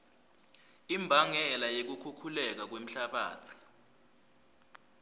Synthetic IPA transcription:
imbʱaŋɛlajek̬ukʰukʰulɛk̬ak̬wem̩ɬaɓa̰ːt͡sʰi̥

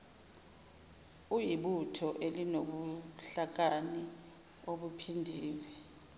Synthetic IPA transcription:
ujiɓutʰɔʔelinoɓuɬak̬ani | oɓupʰindʱiːlɛ

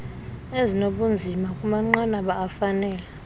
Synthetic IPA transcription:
ezinoɓund͡zʱimakʼumaŋ͡ǃanaɓaːfanɛːla

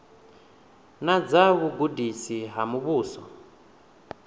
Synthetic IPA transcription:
nad͡zaβuɡudisiɦamuβuːsɔ

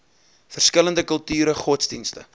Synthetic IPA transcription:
fərskələndəkəlˠtyːɾəχɔtsdinstə̰

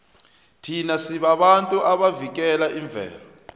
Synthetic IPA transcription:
tʰinasiɓaɓantʼuʔaɓavik̬ɛlaʔiɱb̪vʱɛ̰ːlɔ

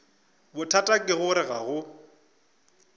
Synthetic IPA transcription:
bʊtʰatʼakʼɪɣʊɾɪɣaɣʊ

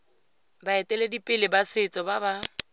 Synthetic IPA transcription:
baɛtʼɛledipʼɪlɪbasɪt͡sʼɔbaba

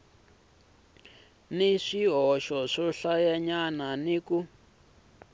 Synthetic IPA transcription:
niʂiɦɔʃɔʂɔɬajɛɲananiku

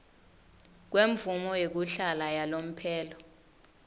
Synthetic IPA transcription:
k̬weɱbvumɔjek̬uɬalajalom̩pʰɛːlɔ

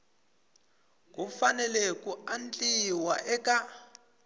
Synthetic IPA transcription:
k̬ʼufanɛlɛkʼuant͡ɬʼiwaʔɛkʼa

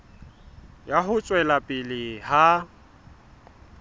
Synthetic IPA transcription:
jaɦʊt͡sʼwɛlapʼɪlɪha

